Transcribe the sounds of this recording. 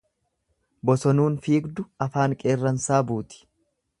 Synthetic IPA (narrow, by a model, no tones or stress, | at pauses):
bɔsɔnuːnfiːɡd̪ʊɐfaːŋkʼe̞ːrːɐnsaːbuːt̪ɪ̥